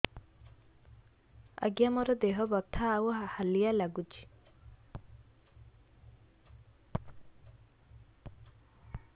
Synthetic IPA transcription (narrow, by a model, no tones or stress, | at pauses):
ɐ̰ɡjamɔɾɔd̪eɦɔbɔt̪ʰːawɔɦahalijalaɡud͡ʒi̥